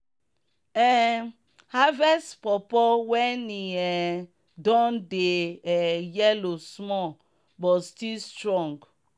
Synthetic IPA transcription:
ɛ | havɛstpɔpɔwɛniɛ | dɔ̃ndeɛjɛlosmɔ | bɔstilstɾɔ̃ŋɡ

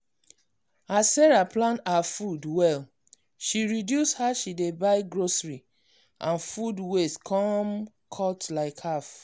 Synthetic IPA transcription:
asɛɹaplãntafudwɛl | ʃiɹidjushaʃidebaɪɡɹosɹi | ʔãnfudweskʰɔ̃m | kʰɔtlaɪkhaf

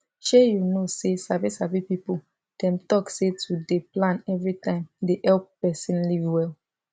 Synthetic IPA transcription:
ʃɛjunosesavisavipipu | d̥ɛ̃mtɔksetudeplãnɛvɹitãɪ̃mdehɛlpːɛsĩnlivwɛl

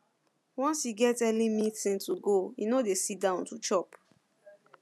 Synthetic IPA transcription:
wɔ̃nsiɡɛtɛlĩmĩtĩntuɡoinodesit̚dãʊ̃ntut͡ʃɔp

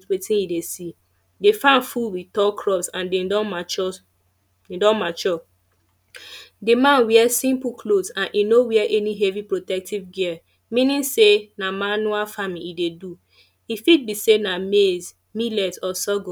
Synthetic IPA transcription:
wetĩnidesi | defãnfulwitɔkʰɹɔpsãndeɔt͡ʃ | idɔ̃nmat͡ʃɔ | dimãnwiɛsĩmpukʰlosãnʔinowiɛʔɛniɦevipɹotɛk̚tivɡiɛ | mĩnĩnsenamanualfamiidedu | ifid̚bisenamez | milɛtɔsɔɡɔ

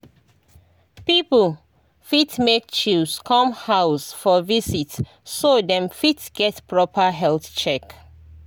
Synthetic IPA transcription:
pipl̩ | fitmek̚t͡ʃuskʰɔ̃mhaʊsfɔvisit | sodɛ̃mfitɡ̥ɛtpʰɹɔpʰəɦɛlθt͡ʃɛk

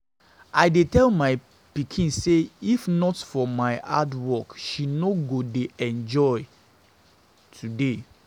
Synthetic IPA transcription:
aɪdetɛlmaɪ | pikʰĩnseifnɔtfɔmaɪʔa̰dwɔkʃinoɡodeʔɛ̃nd͡ʒɔɪ | tʰude

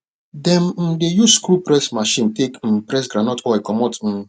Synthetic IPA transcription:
dɛmn̩dejuskɾupɾɛsmaʃĩntekm̩pɾɛs̬ɡɾanɔtɔikɔmɔtn̩

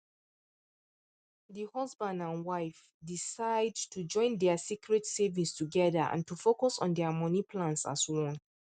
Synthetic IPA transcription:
dihɔzbãndãnwaɪf | disaɪdtʰud͡ʒɔ̃ɪ̃ndɛəsikɹɛtsɛvĩstʰuɡɛðəʔã̰ntufokɔsɔ̰̃n̩dɛəmɔnipʰlãnsa̰swɔ̃n

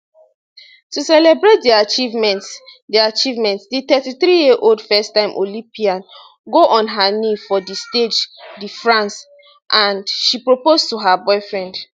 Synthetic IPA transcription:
tusɛlebɹet̚diat͡ʃivmɛtdiat͡ʃivmɛ̃ntsdit̪ɛtiθɾijiʔoldfɛstãɪ̃mʔolĩpiãn | ɡoʔɔ̃nɦanifɔdisted͡ʒdifɹãns | ʔãndʃipɹopoztuɦabɔɪfɹɛ̃nd

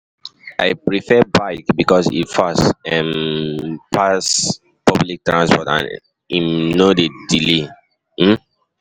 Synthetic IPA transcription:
ʔaɪpɹifɛbaɪkbikɔsḭtfasɛ̃m | pʰas | pɔblik̚tɹãnspɔtã̰n | imnodedile | m̩

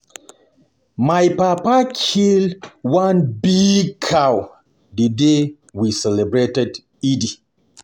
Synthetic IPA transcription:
majpapakʰildwanbikʰaw | dəde | wisɛlɛbɹetɛd | idi

